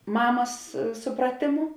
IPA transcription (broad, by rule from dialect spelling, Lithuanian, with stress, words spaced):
ˈmɑːmɐs ˈsʊprɐtʲeːˌmʊ